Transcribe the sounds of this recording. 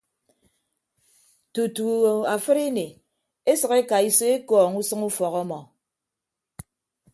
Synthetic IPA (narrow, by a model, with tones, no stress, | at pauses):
tu˨tu˨a˨fɨ˦ɾe˦ne˨ | e˦sɨ˨ɣe˦ka˨i˨se˦e˦kɔː˨ŋu˦sɨ˦ŋu˦fɔ˨ɣɔ˦mɔ˨